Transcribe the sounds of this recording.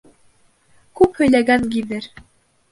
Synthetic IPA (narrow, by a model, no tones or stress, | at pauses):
kʉphɵ̆jlæɡæŋɡiðɘɾ